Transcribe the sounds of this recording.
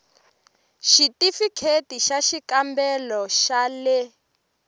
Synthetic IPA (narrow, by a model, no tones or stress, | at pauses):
ʃitifikʰetiʃaʃikambɛlɔʃalɛ